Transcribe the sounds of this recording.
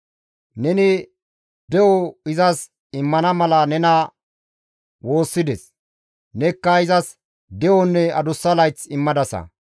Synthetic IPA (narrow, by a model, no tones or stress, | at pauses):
nɛnɪ | d̪ɛwɔɪzɐs | ɪmːɐnɐmɐlɐnɛnɐ | wo̞ːsːɪd̪ɛs | nɛkːɐɪzɐs | d̪ɛwɔnːɛɐd̪ʊsːɐlɐjt͡sɪmːɐd̪ɐsɐ̰